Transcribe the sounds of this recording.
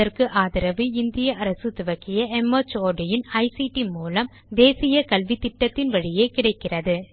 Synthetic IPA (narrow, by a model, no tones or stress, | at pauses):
ɐrkɯʔaːðɪɾɐʋiɪnd̪ɪjɐʔɐɾɐsɯt̪ʊʋɐkːɪjɐɛmɐt͡ʃoːɖɪjɪnɐɪsiʈimuːlɐm | d̪eːsɪjɐkɐlʋit̪ːɪʈːɐt̪ːɪnʋɐɻɪjeːkɪɽɐɪkːɪrɐðɯ